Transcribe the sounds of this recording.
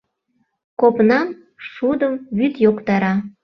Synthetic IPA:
kopnɑn | ʃud̪əmβyt̪jokt̪ɑɾɑ

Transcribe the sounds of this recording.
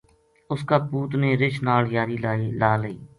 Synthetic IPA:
ʊskaːpuːt̪neːɾɪt͡ʃnaːljaːɾiːlaːilaːləiː

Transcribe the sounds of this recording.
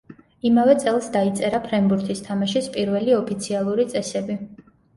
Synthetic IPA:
imavɛt̪sʼɛlˠsd̪ait̪sʼɛɾapʰɾɛmbuɾt̪ʰist̪ʰamaʃispʼiɾvɛliɔpʰit̪sʰialˠuɾit̪sʼɛsɛbi

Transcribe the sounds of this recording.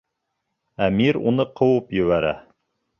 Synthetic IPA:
æmiɾṵnɤqʰɤ̆wɤpjɵ̆βæɾæ̰

